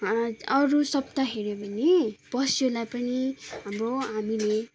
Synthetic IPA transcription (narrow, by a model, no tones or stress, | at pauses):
ʌɾusʌbt̪aɦeɾjobʱʌneb̥ʌsjolajpʌniɦamroɦamile